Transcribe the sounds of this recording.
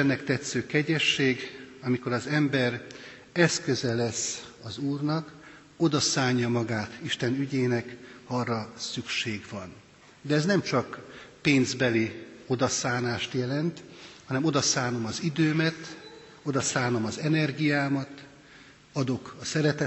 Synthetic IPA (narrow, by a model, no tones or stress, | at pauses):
ɛnːɛkt̪ɛt̪søːkɛɟɛʃːeːɡɒmiko̞ɾɒzɛmbɛr | ɛskø̞zɛlɛsɒzuːrnɒk | o̞d̪ɒsaːɲːɒmɒɡaːt̪iʃt̪ɛnyɟeːnɛkhɒrːɒsykʃeːɡʋɒn | d̪ɛːznɛmt͡ʃɒkpeːnzbɛlio̞d̪ɒsaːnaːʃt̪jɛlɛnt̪hɒnɛmo̞d̪ɒsaːno̞mɒzid̪øːmɛt̪ | o̞d̪ɒsaːno̞mɒzɛnɛrɡijaːmɒt̪ | ɒd̪o̞kɒsɛɾɛt̪ɛ